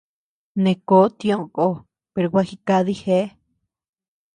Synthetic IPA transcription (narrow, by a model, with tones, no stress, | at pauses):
nẽ˧ko˦t̪ĩ˧õ˧ko˧˦ | pe˧ɾo˧wʷa˦xi˧ka˧ði˦he˦